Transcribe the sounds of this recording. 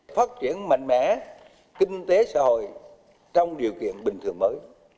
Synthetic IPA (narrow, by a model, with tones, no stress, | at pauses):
faː˦˥t̚t͡ɕi˧˩ənma̰˧˨ŋmɛ̰˧˥ | ki˧ŋ̟t̪e˨˦sa̰ː˧˥ho̰˧˨j | t͡ɕɔ˧wŋ͡mɗi˨˩əwkḭ˧˨ənɓï˨˩ŋt̪ʰɨ˨˩əŋməː˨˦j